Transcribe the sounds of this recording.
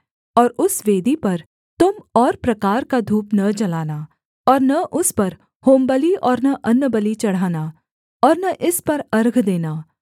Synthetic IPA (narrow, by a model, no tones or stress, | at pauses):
ɔːɾʊsʋeːd̪ipɐɾ | t̪ʊmɔːɾpɾɐkaːɾkad̪ʱuːpnɐd͡ʒɐlaːnaː | ɔːɾnɐʔʊspɐɾ | hoːmbəliɔːɾnɐʔɐnːəbəlit͡ʃɐɽ̤aːnaː | ɔːɾnɐʔɪspɐɾɐɾɡʱd̪eːnaː